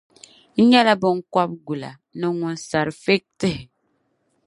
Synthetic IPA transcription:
ɲa˦la˦bə˨ŋ̩˦kwa˦p̚ɡu˨la̰˨ | nə˨ŋu˨nsa˨ɾfe˦k̚tə˦h

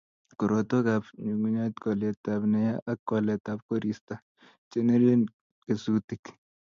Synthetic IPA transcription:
ko˨ɾo˨t̪o˦kapɲu˨ŋu˦ɲa˦t̪kɔ˨lɛ˨tabnɛja˦ʔːkːɔ˨lɛ˨ta˨p̚ko˦ɾista˨ | t͡ʃe˦ne˦ɾe˦n | ke˨su˦ti˨k

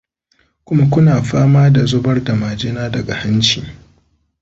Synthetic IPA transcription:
kʷʊ˦ma˦kʷʊ˦naː˨ɸaː˦maː˦da˨zʊ˦bɐ˦rda˨maː˨d͡ʒɪ˦naː˦dɐ˨ɡa˨hɐ˦nt͡ʃḭː˨

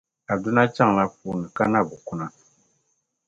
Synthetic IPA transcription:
a˨du˦na˦t͡ʃa˦ŋ˨la˦fuː˨nɨ˨ka˦na˦˨bu˨ku˦na˦

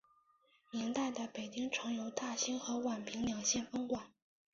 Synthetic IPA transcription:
nɛ˧˥nt̪a˥˩ɪd̪ə˩pe˨˩ɪt͡ɕi˥ŋʈ͡ʂʰɤ˧˥ŋjo˧˥ʊt̪a˥˩ɕi˥ŋxɤ˧˥wa˨˩npʰi˧˥ŋljɑ˨˩ŋɕjɛ˥˩nfɤ˥ŋkwa˨˩˦n

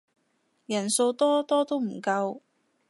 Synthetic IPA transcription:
jɐ˨˩nso˧wt̪ɔː˥t̪ɔː˥t̪o˥wm̩˨˩kɐ˧w

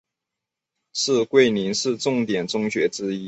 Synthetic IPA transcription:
ʂɻ̩˥˧kwe˥˩ɪni˧˥nʂɻ̩˥˧ʈ͡ʂʊ˥˩ŋt̪jɛ˨˩nʈ͡ʂʊ˥ŋɕɥɛ˧˥ʈ͡ʂɻ̩˥i˥

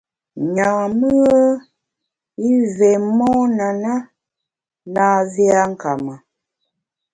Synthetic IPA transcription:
ɲa˨mə˦ə˦ | i˦vɛ˨mɔ˦na˨na˦ | na˨zi˦a˦ŋ˦˨ka˨ma˨

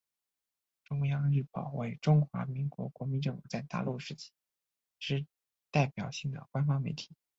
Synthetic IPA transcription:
ʈ͡ʂʊ˥ŋjɑ˥ŋɻy˥˩pɑ˨˩ʊwe˧˥ɪʈ͡ʂʊ˥ŋxwa˧˥mi˧˥ŋkwɔ̰˧˥kwɔ˧˥mi˧˥nʈ͡ʂɤ˥˩ŋfu˨˩t͡sa˥˧ɪt̪a̰˥˧lu˥˩ʂɻ̩˥t͡ɕʰi̥˥ | ʈ͡ʂɻ̩˥ | t̪a˥˩ɪpjɑ˨˩ʊɕi˥˩ŋd̪ə̰˩kwa˥nfɑ˥ŋme˧˥ɪt̪ʰi̥˨˩˦

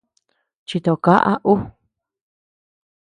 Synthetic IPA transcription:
t͡ʃi˧t̪o˧ka˦ʔa̰˦ʔu˦

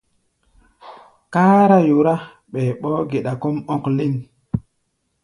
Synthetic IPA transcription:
ka˦ɾa˦ju˨ɾa˦ | ɓɛː˨ɓɔː˦ɡe˨ɗa˨ko˦mɔ˦kli˦n

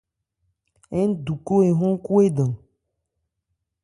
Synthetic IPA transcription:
ɛ˦n˦du˨ko˦e˨ɦõ˦ku˦e˦ɖɔ̃˨

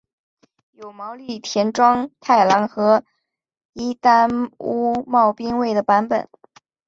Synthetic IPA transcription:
jo˨˩ʊmɑ˧˥ʊli˥˩t̪ʰjɛ˧˥nʈ͡ʂwɑ˥ŋt̪ʰa˥˩ɪla˧˥ŋxɤ˧˥ | i˥t̪a˥nu˥mɑ˥˩ʊpi˥ŋwe˥˩ɪd̪ə˩pa˧˥npə̰˨˩˦n

